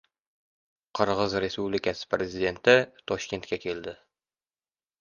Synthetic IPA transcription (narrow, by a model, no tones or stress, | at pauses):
qʰɨɾʁɨzɾe̞spublikʲʰasɪ̥pɾezid̪e̞nt̪ɪt̪ʰɒʃkʲe̞nt̪kʲakʲʰe̞ld̪ɪ